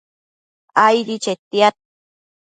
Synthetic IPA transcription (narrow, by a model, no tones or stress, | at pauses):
ajɾit͡ʃet̪iat̪̚